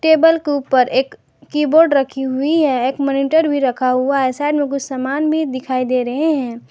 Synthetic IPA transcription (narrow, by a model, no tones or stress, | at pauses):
ʈeːbəlkeuːpəɾeːkː | iːboːɾɖɾɐkʰiɦuiɦɛeːkmɔːniːʈəɾbʱiɾɐkʰaɦuaɦɛsaːɪɖmẽk̬ʊt͡ʃʰsamaːnbʱid̪ɪkʰaːid̪eːɾɐɦeɦɛ̃ː